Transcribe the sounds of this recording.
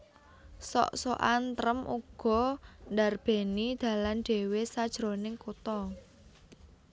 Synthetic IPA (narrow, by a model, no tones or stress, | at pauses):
sɔ̰ʔsoʔant̪ɾəmʔṵɡ̥ɔ̤ndarb̥e̤nid̪̥ä̤lanɖ̥e̤wesad̥ʒ̥ɾonɪŋkut̪ɔ